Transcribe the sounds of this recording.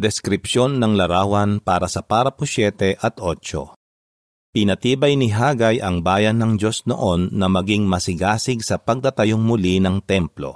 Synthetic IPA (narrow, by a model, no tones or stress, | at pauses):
d̪ɛskɾɪpʃjo̞nːɐŋlɐɾaːwɐnpaːɾɐsɐpaːɾɐpʊsjɛːt̪ɛʔɐt̪ʔot͡ʃo̞̰ | pɪnɐt̪iːbɐjnɪɦaːɡɐjʔɐŋbaːjɐnːɐŋd͡ʒo̞sno̰ʔo̞nːɐmɐɡiŋmɐsɪɡaːsɪɡsɐpɐɡ̚t̪ɐt̪ɐjoŋmʊlinɐŋt̪ɛmplo̞̰